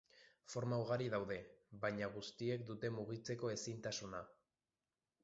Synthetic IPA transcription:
fo̞ɾmauɣaɾiðawðe̞βajɲaɣ̞ust̪ie̞k̚d̪ut̪e̞muɣit͡se̞ko̞e̞sint̪asuna

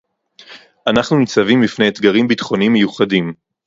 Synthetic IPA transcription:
anaχnumit͡savimlifnejet̪ɡaʁimbit̪χo̞nimːejuχadim

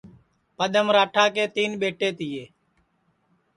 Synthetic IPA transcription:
pəɗ̪ʱəmɾaːʈʰaːkeːt̪iːnɓeːʈeːt̪ɪjeː

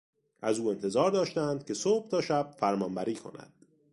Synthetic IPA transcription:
ʔæzuːe̞nt̪ʰe̞zɒːɾd̪ɒːʃt̪ænd̪̥̚cʰe̞sob̥̚t̪ʰɒːʃæb̥̚fæɾmɒmbæɾiːkʰo̞̰næ̰d̪̥

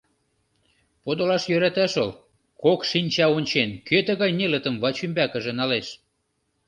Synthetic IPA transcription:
pod̪olɑʃjøɾæt̪æʃəl | kokʃinʲt͡ɕɑonʲt͡ɕenkøt̪ə̆ɣɑjnelə̆t̪ə̆mvɑt͡ɕymbækə̆ʒĕnɑleʃ

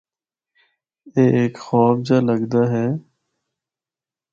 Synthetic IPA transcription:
eːeːkxɔːbd͡ʒaːləɡd̪aːɦeː

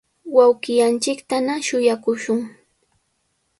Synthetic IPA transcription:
wawkɪjant͡ʃɪkt̪anaʃʊjakʊʃʊŋ

